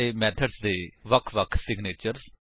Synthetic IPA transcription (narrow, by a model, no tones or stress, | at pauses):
eːmɛːt̪ʰəɖsd̪eːʋəkʰʋəkʰsɪɡneːt͡ʃəɾz